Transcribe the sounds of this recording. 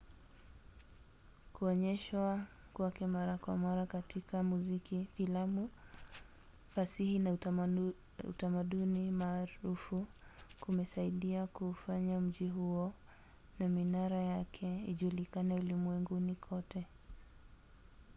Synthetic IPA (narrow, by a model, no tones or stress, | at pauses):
kuɔɲɛʃwa | kwakɛmaɾakwamaɾakatikamuzikifilamu | fasihina | ṵtamaɗunimaːɾufukumɛsaiɗiakufaɲam̩ʄiɦuɔ | naminaɾajakʰɛiʄulikanɛulimwɛŋɡunikʰɔtɛ